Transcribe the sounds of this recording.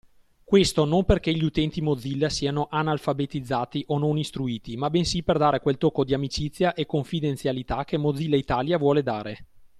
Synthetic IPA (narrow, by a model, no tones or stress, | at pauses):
kwest̪onomperkeʎiut̪ɛnt̪imod̪zːilːasiːanoʔanalfabet̪id̪zːaːt̪iʔononist̪ɾuiːt̪imabɛnsiperd̪aːɾekwelt̪okːod̪iamit͡ʃit̪sːjaʔekːoɱfid̪ent̪sjalit̪ak̟ːemod̪zːilːait̪aːljavwɔːled̪aːɾe